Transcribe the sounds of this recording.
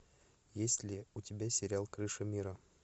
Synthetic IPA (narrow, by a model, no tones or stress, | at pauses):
jesʲlʲɪʊtʲɪbʲæsʲɪɾʲalˠkɾɨʂɨmʲiɾə